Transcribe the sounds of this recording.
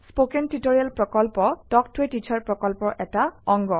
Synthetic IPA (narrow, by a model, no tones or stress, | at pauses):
spokɛntutoɹijalpɹɔkɔlpɔdɔk̚tʰwetit͡ʃʰaɹpɹɔkɔlpɔʔɛtaɔŋɡɔ